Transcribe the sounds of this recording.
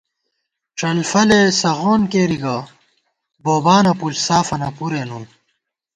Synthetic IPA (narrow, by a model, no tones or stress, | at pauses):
ʈ͡ʂɐlfɐlesɐɣoːnkeːɾiɡɐ | boːbaːnɐpulsaːfɐnɐpuɾenum